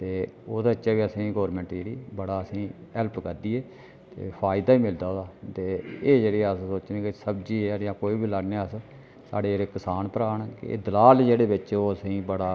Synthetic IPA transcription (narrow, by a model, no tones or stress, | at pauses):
t̪eːoːd̪aːɪt͡ʃːaːʋiːəsĩːɡɔːɾmɛ̃ːɳʈd͡ʒeːɾiːbəɽaːəsĩːɛlpkəɾd̪iːeː | t̪ḛːpʰaːɪd̪aːiːmɪld̪aːoːd̪aːt̪eːeːd͡ʒeːɽeːəssoːt͡ʃnẽːkɪsəbd͡ʒiːeɾɪjãːkoːiːbiːləɡneːəs | sa̰ːɽeːd͡ʒeːɽeːkəsaːnpəɾaːɳkɪ̰ḛːd̪əlaːld͡ʒeːɽeːbɪt͡ʃoːəsĩːbəɽaː